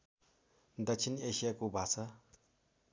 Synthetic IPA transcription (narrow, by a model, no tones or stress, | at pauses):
d̪ɐt͡ʃʰineɕijakubʱasa